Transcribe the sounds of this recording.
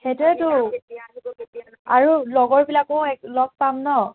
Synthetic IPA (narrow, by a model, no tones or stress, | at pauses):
hetɛtʊ | aɹulɔɡɔɹbilakoɛklɔɡ̚pamnɔ